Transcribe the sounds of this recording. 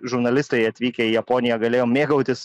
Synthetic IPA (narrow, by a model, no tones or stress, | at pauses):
ʒʊɾnɐlʲɪst̪ɐɐt̪ʲʋʲiːkʲɛiːjɐpoːnʲɪjɛɡɐlʲeːjoːmʲeːɡɐʊt̪ʲɪs